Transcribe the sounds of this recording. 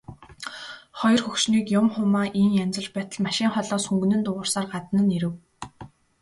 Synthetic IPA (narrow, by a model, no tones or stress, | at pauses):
χɔjɞ̆rxɵxʃniːkjʊmχʊmaːʔiŋjamt͡sə̆ɮt͡ɕpæːt̪ə̆ɮmaʃɪːŋχɔɮɔːsxɵŋɡɘ̆nɘ̆nt̪ʊʁʊːrsaːrɢat̪ə̆nə̆niɾɘ̆w